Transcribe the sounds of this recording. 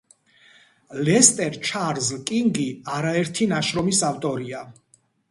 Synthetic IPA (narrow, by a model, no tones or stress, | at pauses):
lɛst̪ʼɛɾt͡ʃʰaɾzlkʼiŋɡiaɾaɛɾt̪ʰinaʃɾɔmisaft̪ʼɔɾia